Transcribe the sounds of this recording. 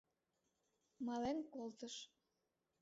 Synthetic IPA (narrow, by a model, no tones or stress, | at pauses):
mɑlenkolt̪əʃ